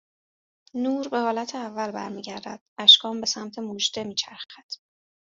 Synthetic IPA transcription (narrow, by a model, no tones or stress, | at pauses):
nuːɾbe̞hɒːlæt̪ʰeævːælbæ̰ɾmiːɟæɾd̪æ̰d̪̥æʃkʰɒːmbe̞sæmt̪ʰe̞muʒd̪emiːt͡ʃʰæɾxæd̪̥